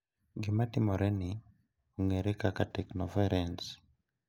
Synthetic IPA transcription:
ɡimatimɔɾɛni | uŋeɾekakatɛknɔfɛɾɛns

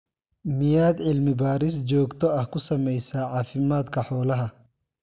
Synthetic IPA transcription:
mɪjaːd̪ʕɪlmɪbaːɾɪs̬d͡ʒɔːɡt̪ʰɔɐhkʊsɐmɛjsaːʕɑːfɪmaːd̪kʰɐħɔːlɐɦɐ

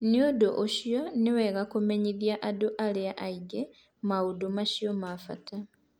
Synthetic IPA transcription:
njodoʔoʃjjaneweɣakumeɲiðjaʔadoʔaleaʔaiɡe | mawudomaʃjomafa̰tʰa

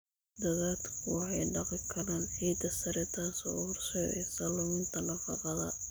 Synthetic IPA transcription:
d̪ɐðaːd̪kʰʊwɑħɑjɖɑqɪkʰɐɾaːnħiːd̪ɐsɐɾɛt̪ʰaːsɔ̰rsɔɛ̰sɐlʊmʊnt̪ʰɐnɐfɑqɑðɐ̰

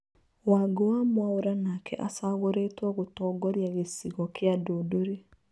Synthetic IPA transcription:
waːɡowamwaoɾanakɛ̰ʔasaɣoɾeːtwɔɣotɔːɡɔɾjaɣesiɣɔkeadodoɾe

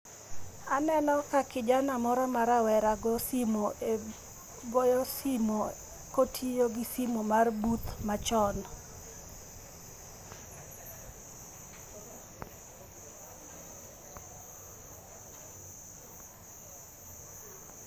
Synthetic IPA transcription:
anɛnɔkakɪd͡ʒanamɔɾɔmaɾawɛɾaɡɔsimo | ɡojɔsimo | kotʰijoɡisimomarbut̪mat͡ʃɔn

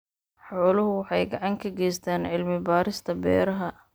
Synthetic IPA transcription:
ħɔːlʊɦʊwɑħɑjɡɑʕɑŋkʰɐɡɛjst̪ʰɛːnʕɪlmɪbaːɾɪst̪ʰɐbɛ̰ːɾɐɦɐ

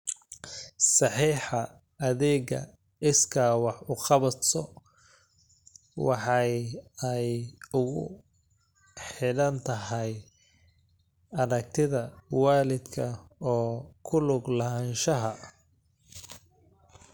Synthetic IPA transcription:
sɑħiːħɑ | ɐðɛːɣɐ̰ | ɪskʰawɑħʊqɑβɐt̪sɔ | wɑħɑjɛjʊɣʊ̰ | ħɪlɐnt̪ʰɐɦɛj | ɐɾɐk̚t̪ʰɪðɐwaːlɪd̪kʰɐɔːkʰʊlʊɡlɐɦɐnʃɐɦɐ

